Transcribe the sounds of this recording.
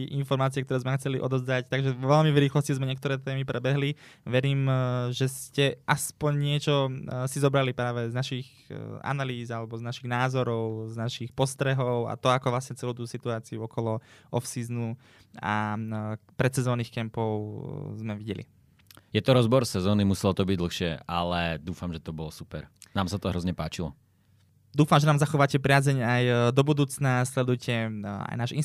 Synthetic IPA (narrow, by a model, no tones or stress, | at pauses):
ʔinfɔɾmaːt͡siɪɛkt̪ɔɾɛːzmɛxt͡sɛliʔɔ̰d̪ɔzd̪act̪aɡʒɛɔʋɛlmivɾiːxlɔscizmɛɲɪɛkt̪ɔɾɛːt̪ɛːmipɾʔɛbɛɦliʋɛɾiːmʒɛscɛʔaspɔɲɲɪɛt͡ʃɔsizɔbɾalipɾaːʋɛznaʃiɣ | a̰naliːzalɛbɔznaʃiɣnaːzɔɾɔʊznaʃixpɔst̪ɾɛɦɔʊa̰t̪ɔakɔʋlasɲɛt͡sɛluʊt̪usit̪uaːt͡siuɔkɔlɔɔfsiːznu | a | pɾɛt̪sɛzɔːniːxkɛmpɔʊzmɛʋiɟɛlḭ | jɛt̪ɔɾɔzbɔɾsɛzɔːnimusɛlɔt̪ɔbiɟd̪l̩xʃɪɛʔalɛd̪uːfamʒɛt̪ɔbɔlsu̥pɛɾnaːmsat̪ɔɦɾɔzɲɛpaːt͡ʃilɔ̰ | d̪uːfamʒɛnaːmzaxɔʋaːcɛpɾɪaːzɛɲajd̪ɔbud̪uːt͡snaslɛd̪ujcɛa̰jnaːʒin